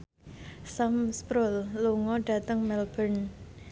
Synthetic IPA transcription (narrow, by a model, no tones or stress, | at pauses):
samspɾolːuŋɔɖ̥ä̤t̪əŋmɛlb̥ən